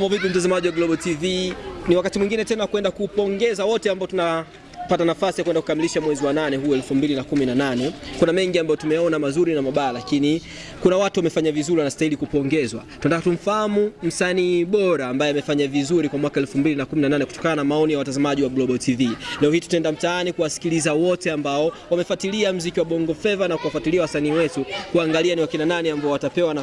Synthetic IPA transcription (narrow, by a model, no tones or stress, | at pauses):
mɔvikum̩tazamaʄiwaɡlɔɓɔtiviniwakatimwiŋɡinɛtɛnawkwɛndakuːpɔŋɡɛzawɔtɛambaɔtuna | patanafasijakwɛndakukamiliʃamwɛziwananɛɦuɛlfumbilinakuminananɛkunamɛŋɡiambajɔtumɛjaɔnamazuɾinamaɓaːlakini | kunawatuwamɛfaɲavizuɾiwanastailikupɔŋɡɛzwa̰tunɛntakatum̩fahamum̩saniːɓɔɾaːmbajɛamɛfaɲavizuɾikwamwakaɛlfumbilinakuminananɛku̥tɔ̥kananamaɔnijawatazamaʄiwablɔɓɔtʰivilɛɔhiːtu̥tɛndam̩taanikuwasi̥kilizawɔtɛambaɔwamɛfatiliam̩zikiwaɓɔŋɡɔfɛvanakuwafatiliawasaniːwɛtukuaŋɡalianiwakinananiambaɔwatapɛwana